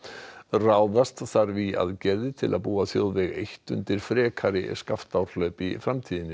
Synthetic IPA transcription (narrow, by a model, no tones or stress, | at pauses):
raːwðast̪θaɾvia̰ðcɛɾðɪt̪ʰɪlʔaðpuːaθjoːwðvɛɣejht̪ʏ̰nt̪ɪɾ̥fɾɛːkʰaɾɪ̰skaft̪awɾ̥lœɥpifɾamt̪ʰiːðɪnːɪ